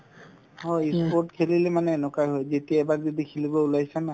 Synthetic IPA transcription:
ɦɔispɔɹtkʰelilɛmanɛːnɔkajɦojzetiaɛbakzodikʰelibɔulajsana

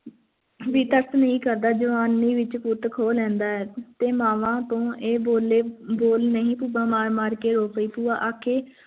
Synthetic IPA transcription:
ʋiːt̪əɾt̪nəɦĩːkəɾd̪aːd͡ʒəʋaːnːiːʋɪt͡ʃkuːt̪kʰoːlɛ̃ːnd̪aːɛːt̪eːmaːʋãːt̪õːʔeːboːleːboːlnəɦĩːpuːbãːmaːɾmaːɾkeːɾoːpəiːpuːaːʔaːkʰeː

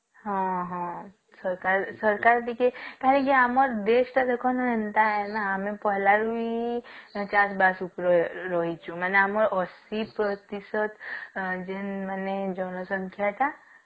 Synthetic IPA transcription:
ɦãɦã | səɾkaɾsəɾkaɾʈikʰekɛɦlẽkiamɔɾd̪eːʃʈ̪ad̪ekʰɔnɾɛnt̪aɦɛnaəmẽpɔɦlaɾui | t͡ʃasbaːsupɾɾɔɦit͡ʃʰũmɛːneamɔɾɔsipɾət̪isət̪d͡ʒenmɛːned͡ʒɔːnosə̃ŋkʰjat̪ʰa

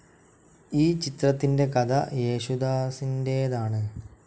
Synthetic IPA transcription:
iːt͡ɕit̪rɐt̪ːinde̞kɐd̪ʱɐ̰je̞ːɕud̪aːsinde̞jðaːɳɨ

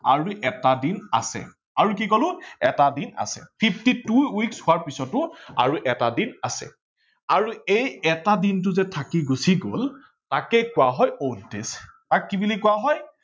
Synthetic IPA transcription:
aɹuʔɛtadina̰sɛ̰ | aɹuk̬ikolʊ̃ɛtadina̰sɛ̰pʰipʰtituwikshʊaɹpisɔtʊa̰ɹuʔɛtadinasɛ̰ | aɹuejɛtadint̬ʊzɛtʰakiɡusiɡo̰l | takejkʊwaɦɔjontestakːibulikʊwaɦɔj

